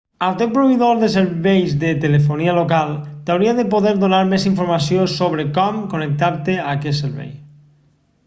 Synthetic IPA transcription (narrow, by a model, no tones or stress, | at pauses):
awt̪epɾoβeðoɾðes̬eɾβejzðet̪elefonialokalt̪awɾiaðepoðeɾðonaɾmesiɱfoɾmasjosoβ̞ɾekɔmkonek̚t̪aɾt̪eakeseɾβḛj